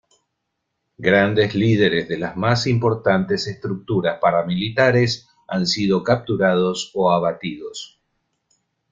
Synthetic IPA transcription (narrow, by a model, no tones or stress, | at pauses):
ɡɾand̪e̞zlið̞e̞ɾezðe̞lazmasimpo̞ɾt̪ant̪ese̞st̪ɾuk̚t̪uɾaspaɾamilit̪aɾes | ansiðo̞kap̚t̪uɾað̞o̞soaβat̪iðo̞s